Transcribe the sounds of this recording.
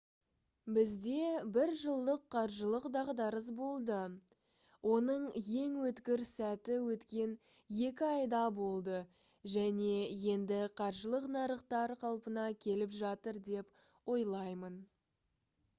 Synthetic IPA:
bɪzd̪e̞bɪɾʒəlˠd̪əqʰːɑɾʒəlˠəqd̪ɑʁd̪ɑɾəs̬bo̞lˠd̪ə | wʔo̞nəɴje̞ŋwɵt̪kʲɪɾsæt̪ɪwɵt̪kʲe̞n | je̞kʲɪɑjd̪ɑbo̞lˠd̪ə | ʒæne̞je̞nd̪ɪqʰɑɾʒəlˠəqnɑɾəqt̪ɑɾqʰɑlˠpənɑkʲʰe̞lɪpʒɑt̪əɾd̪e̞p | wo̞jlˠɑjmən

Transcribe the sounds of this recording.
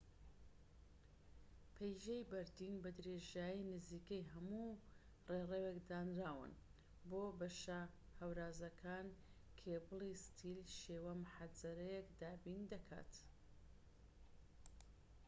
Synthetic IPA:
pʰejʒejbɐɾd̪inbɐd̪ɾeʒaːjinɨziːkɐjɦɐmu | rerewekd̪aːnɾaːwɨ̰n | boːbɐʃɐ | hɐwɾaːzɐkʰaːn | kʰebɨlˠist̪ʰilʃeːwɐmʊħazɐɾɐjekd̪aːbind̪ɐkʰa̰t̪

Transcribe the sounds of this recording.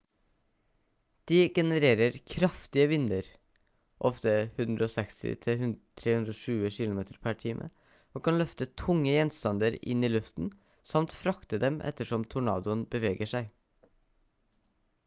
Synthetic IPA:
d̪̥iːɡɛnəɾeːɾəɾkʰɾɑft̪ɪəʋɪnːəɾ | ʔɔft̪əhʉnd̪ɾəoːsɛkst̪ɪ̰t̪ʰɪhʉnt̪ʰɾeːhʉnd̪ɾɔʂʉːəʃɪlʊmeːt̪əɾpʰæʈʰiːmʔə̰ | oːkʰɑnlœft̪ət̪ʰʊŋːəjɛnst̪ɑnd̪əɾɪ̰nːiːlʉft̪n̩ | sɑmt̪fɾɑkt̪əd̪ɛmʔɛ̰t̪əʂɔmt̪ʰʊɳɑ̰ːd̪ʊənbəʋeːɡəʂæɪ

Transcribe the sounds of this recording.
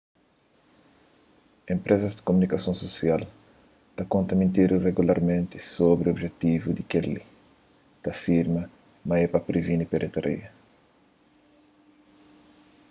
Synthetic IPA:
ẽmpɾʔezɐzd̪ɪ̥komunikɐsõsosial | t̪ɐkõnt̪ɐmẽnt̪iɾureɡulaɾmẽnt̪i̥sobɾiobʒet̪ivud̪ikeli | t̪ɐfiɾmɐ | mɐɛpɐpɾevinipeɾet̪aɾḭɐ

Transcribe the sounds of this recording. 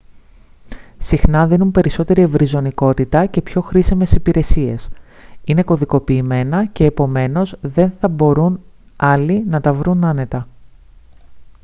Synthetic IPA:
sixnɐðinumpe̞ɾiso̞t̪e̞ɾie̞vɾizo̞niko̞t̪it̪ɐce̞pço̞xɾisime̞sipiɾe̞sie̞̰sine̞ko̞ðiko̞piːme̞nɐce̞ːpo̞me̞no̞zðe̞nθɐbo̞ɾun | ɐlinɐt̪ɐvɾunɐne̞t̪ɐ

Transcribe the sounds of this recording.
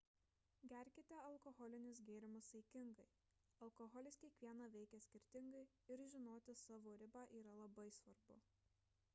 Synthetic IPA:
ɡʲæˑɾʲkʲɪt̪ʲeɐlˠkɔɣɔlʲɪnʲʊsɡʲeːɾʲɪmʊsɐɪkʲɪŋɡɐɪ | ɐlˠkɔɣɔlʲɪskʲiɛkʋʲiɛnɑːʋʲɛɪkʲɛsʲkʲɪɾʲt̪ʲɪŋɡɐɪ | ɪɾʒʲɪnoːt̪ʲɪsɑːʋoːɾʲɪbɑːʔiːɾɐlˠɐbɐɪsʋɐɾbʊ̰

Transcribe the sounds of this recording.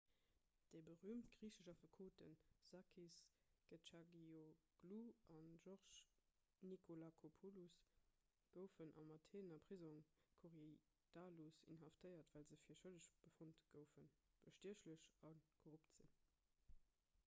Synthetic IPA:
d̥əɪbəʁyːmtɡ̥ʁiːʃəʃɑfəkʰoːtənz̥ɑkʰisɡ̥ət͡ʃɑɡioɡ̥luɑnʒɔʁʃ | nikʰolakʰopʰolus | ɡ̥əʊfənʔɑ̰mɑtʰeːnɐpʁ̥izɔŋkʰoʁi | d̥aːlusḭnɦɑftʰəɪɐtvæːlzəfiːɐʃələɕb̥əfontɡ̥əʊfənb̥əʃtiəɕləɕɑnkʰoʁuptz̥ḭn

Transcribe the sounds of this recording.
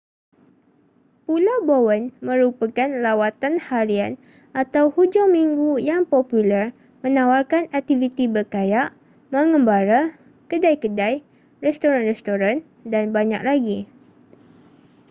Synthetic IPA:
pulawbowənmə̃ɾupakanlawat̪anhaɾian | ʔat̪awhud͡ʒawmiŋɡujaŋpɔpulər | mə̃nawarkanak̚t̪ivit̪ibərkajaʔ | mə̃ŋəmbaɾa | kədajkədaj | rɛst̪oɾanrɛst̪oɾan | danbaɲak̚laɡi

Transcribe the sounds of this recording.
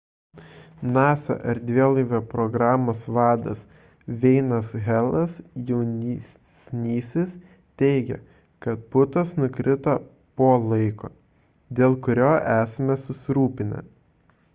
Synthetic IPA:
nɑːsɐ̰ʔɐɾd̪ʲʋʲiɛlˠɐɪʋʲoːpɾɔɡɾɑːmoːsʋɑːd̪ɐ̰s | ʋʲɛɪnɐsɣʲælˠɐsjɛʊnʲi | sʲnʲiːsʲɪs | t̪ʲɛɪɡʲɛ̰ | kɐt̪̚pʊt̪ɐsnʊkɾʲɪt̪ɐ | poːlˠɐɪko̰ː | d̪ʲeːlˠkʊɾʲoːʔæːsɐmʲɛsʊsʲɪɾuːpʲɪnʲɐ̰

